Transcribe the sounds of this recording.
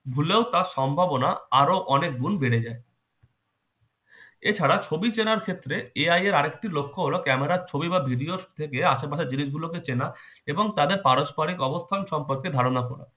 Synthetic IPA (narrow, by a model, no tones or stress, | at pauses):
bʱuleot̪aɾʃɔmbʱabonaaɾoʔɔnek̚ɡunbeɽed͡ʑae | et͡ɕʰaɾat͡ɕʰobit͡ɕenaɾkʰet̪ːɾeeajeɾaɾek̚ʈilokʰːoɦolokɛmeɾaɾt͡ɕʰobibabʱiɖiost̪ʰekeaʃepaʃeɾd͡ʑiniʃɡuloket͡ɕena | eboŋt̪ad̪eɾpaɾoʃpaɾikɔbost̪ʰanʃɔmpoɾked̪ʱaɾonakɔ̰ɽa̰